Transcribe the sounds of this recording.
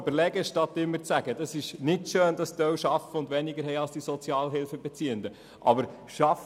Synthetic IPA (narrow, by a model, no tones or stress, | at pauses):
bəɾlɛɡəʃtɑt̪ːɪmːəɾt͡sæɡ̥əd̥ɑsɪʃnɪtʃøːnd̥̪ɑst̪œwʃɑfəʊndʋɛnɪɡəɾɦɛɪɑlsd̥isɔt͡sjɑːlɦɪlfəbɛt͡siːənd̪ə | ʔɑ̰bəɾ | ʃɑf